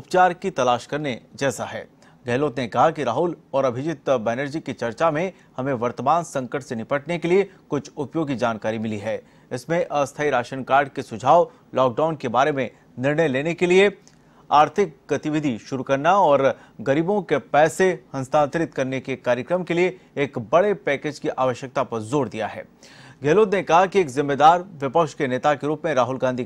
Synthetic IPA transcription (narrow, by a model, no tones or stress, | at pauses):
ʊpt͡ʃaːɾkit̪ɐlaːʃkɐɾned͡ʒɛːsaɦɛ̰ː | ɡɛːloːt̪nekɐɦakiɾaːɦʊlɔːɾɐbʱɪd͡ʒɪt̪bɛːnəɾd͡ʒikit͡ʃɐɾt͡ʃamẽ | hɐmẽʋɐɾt̪əmaːnsɐ̃ŋkəʈsenɪpəʈnekeliekʊt͡ʃʰʊpjoːɡkid͡ʒaːnkaːɾimɪliɦɛː | ɪsmẽʔɐst̪ʰaːiɾaːʃənkaːɾɖ̚kesʊd͡ʒʱaːʋ | lɔːk̚ɖaːʊnkebaːɾemẽ | nɪɾɳəjleːnekelie | aːɾt̪ʰɪk̚ɡɐt̪ɪʋɪd̪ʱiʃʊɾukɐɾnaɔːɾ | ɡɐɾiːbõkepɛːsehɐ̃nst̪ʰãːnt̪ɾɪt̪kɐɾnekekaːɾjəkɾəmkelie | eːkbɐɽepɛːkeːd͡ʒkiʔaːʋəʃjək̚t̪apɐɾzoːɾd̪ija̰ɦɛ̰ː | ɡʱeːloːd̪nekɐɦakieːkzɪ̃mːeːd̪aːɾʋɪpəkʃkeneːt̪akeɾuːpmẽɾaːɦʊlɡãːnd̪ʱi